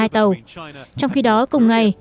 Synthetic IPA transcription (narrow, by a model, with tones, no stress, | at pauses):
aː˧jt̪ə˨˩wt͡ɕɔ˧wŋ͡mxi˧ɗɔ˨˦kʊ˨˩ŋ͡mŋa˨˩j